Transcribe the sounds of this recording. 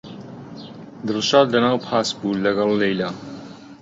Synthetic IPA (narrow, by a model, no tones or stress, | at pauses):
d̪ɨrʃaːd̪lɐnaːwpʰaːsbuːlɐɡɐlˠːejlaː